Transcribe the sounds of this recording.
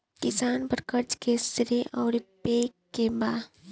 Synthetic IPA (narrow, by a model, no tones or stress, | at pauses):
kɪsaːnpəɾkəɾt͡ʃkesɾeʔɔːɾpeːkːebaː